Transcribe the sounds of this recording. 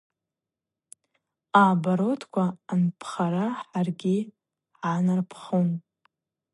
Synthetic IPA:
aːbaɾotʰkʷʰaːnpʰχaɾaħarɡʲi | ħanarpʰχon

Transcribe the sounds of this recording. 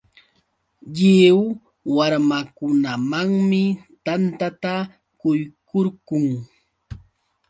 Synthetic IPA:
ʎɪw | waɾmakʊnamaŋmɪt̪ant̪at̪a | kʊjkoɾɢʊŋ

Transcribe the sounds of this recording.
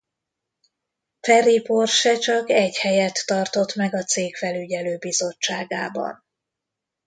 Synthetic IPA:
fɛripo̞rʃɛt͡ʃɒkɛɟhɛjɛt̪ːɒrt̪o̞t̪mɛɡɒt̪seːkfɛlyɟɛløːbizo̞t͡ʃːaːɡa̰ːbɒ̰n

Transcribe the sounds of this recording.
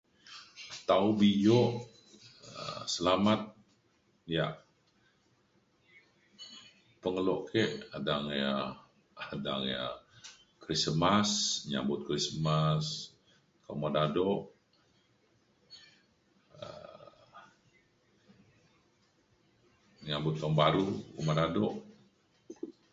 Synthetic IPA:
t̪aubijɔʔ | ə̰səlamat̪̚ | jaʔ | pəŋəlɔʔkʰɛʔadaŋja | ada̰ŋja̰ | kɾismasɲa̰mbʊt̪̚kɾismas | kamadadɔʔ | ə̰ | ɲambʊt̪̚koŋbaɾukumadadɔʔ

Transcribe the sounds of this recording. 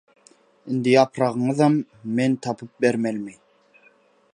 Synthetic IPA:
ind̪ijɑpʰɾɑʁɯ̆ɴɯðɑmː | ent̪ʰɑpʰɯp̚beɾmælmi

